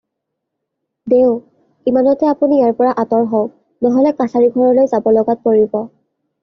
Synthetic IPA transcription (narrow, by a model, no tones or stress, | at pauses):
deʊ | imanɔtɛapunijaɹpɔɹaʔatɔɹɦɔʊ | nɔɦɔlɛkatʰaɹiɡʱɔɹɔlojzabɔlɔɡat̚poɹibɔ